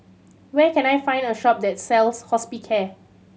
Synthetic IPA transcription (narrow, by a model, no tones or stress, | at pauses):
wɛkɛ̃najfãɪ̃ndəʃɔp̚dɛt̚sɛlshɔspikʰɛ